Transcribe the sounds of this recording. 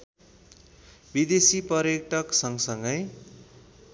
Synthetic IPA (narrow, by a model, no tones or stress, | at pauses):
bid̪esipʌɾjekʈʰʌksʌŋsʌŋɡʌj